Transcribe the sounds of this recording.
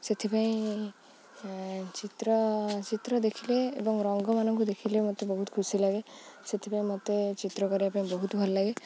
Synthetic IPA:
set̪ʰipaĩ | t͡ʃit̪ɾɔt͡ʃit̪ɾɔd̪ekʰileːbɔŋɾɔŋɡɔmanɔŋkud̪ekʰilemot̪ebɔɦut̪kʰusilaɡeset̪ʰipãĩmot̪et͡ʃit̪ɾɔkɔɾiapaĩbɔɦut̪bʱɔllaɡe

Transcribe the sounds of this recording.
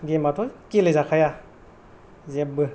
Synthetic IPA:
ɡematʰɔkilezakʰaja | zeb̚bɯ

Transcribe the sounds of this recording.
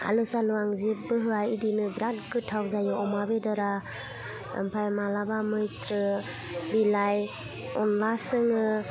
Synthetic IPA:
a̰lɯsaluaŋzep̚bɯɦɯajidinɯbɾatkɯtʰawzajɯɔmabedaɾa̰ | mpʰajmalabamɯjtɾɯ | bilaj | ɔnlasɯŋɯ

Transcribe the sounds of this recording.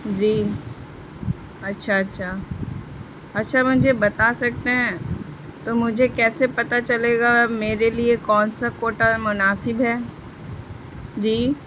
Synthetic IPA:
d͡ʒiː | ɐtːʃʰaɐtːʃʰa | ɐtːʃʰamʊd͡ʒʱebɐt̪asɐk̚t̪eɦɛ̃ːt̪omʊd͡ʒʱekɛːsepɐt̪at͡ʃɐleːɡameːɾeliekɔːnsakoːʈamʊnaːsɪbɦɛː | d͡ʒiː

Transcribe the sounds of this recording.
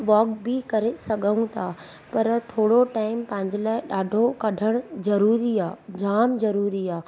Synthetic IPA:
ʋɔːkbɪkɐɾesɐɠʱə̃ũt̪ʰaː | pɐɾt̪ʰoːɽoʈaːɪmpɐ̃ɦɪ̃ɲd͡ʑɪlaːɪɗaːɖʱokɐɖʱəɽ̃zɐɾuːɾiaːd͡ʑaːmzɐɾuːɾiaː

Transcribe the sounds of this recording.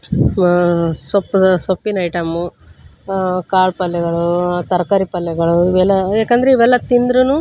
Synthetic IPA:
sopːsopːinɐjʈɐmːu | kaːɭpɐlːɛɡɐɭut̪ɐɾkɐɾipɐlːɛɡɐɭuiʋɛlːɐeːkɐnd̪ɐɾeiʋɛlːɐt̪ind̪ɾunu

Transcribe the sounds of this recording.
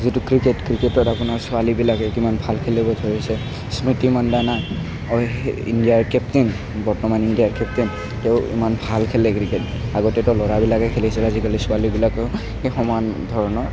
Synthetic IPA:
zitukɹiketkɹiketɔtapʊnaɹsʊalibilakɛkimanbʱalkʰelɛbɔtʰoɹisɛ | smitimandana | ɔḭndiaɹkɛptin | bɔɹtɔmanindijaɹkɛp̚tin | tɛʊḭmanbʱalkʰelɛkɹiket | aɡɔtɛtɛlɔɹabilakɛkʰelisɛlazikalisʊalibilakɔ | hexɔmandʱɔɹɔnɔ

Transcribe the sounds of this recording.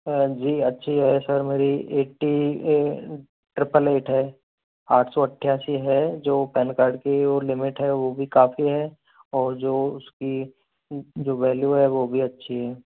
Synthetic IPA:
d͡ʒiːɐtːʃʰiɦɛsəɾmeːɾieːʈi | ʈɾɪpəleːʈɦɛː | aːʈʰsoːɐʈʰːjaːsiɦɛd͡ʒoːpɛːnkaːɾɖkeolɪmɪʈɦɛʋobʱikaːfiɦɛ | ɔːɾd͡ʒoːʊski | d͡ʒoːʋɛːljuɦɛʋoːbʱiɐtːʃʰiɦɛː

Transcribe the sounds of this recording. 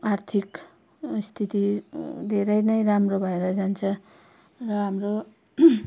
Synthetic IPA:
art̪ʰik | st̪ʰit̪id̪ʱeɾʌjnʌjramrobʱʌeɾʌd͡zant͡sʰʌ | rʌɦamro

